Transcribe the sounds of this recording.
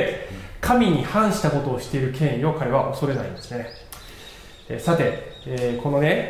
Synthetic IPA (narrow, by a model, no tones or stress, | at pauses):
kʰamʲiɲ̟ihãɰ̃ɕi̥t̪ako̞t̪o̞ːɕi̥t̪e̞iɾɯ̟kẽ̞ɰ̃io̞kʰaɾe̞βaʔo̞so̞ɾe̞naḭ̃nd̪e̞sɨ̥ne̞ | ḛsat̪e̞eːkʰo̞no̞ne̞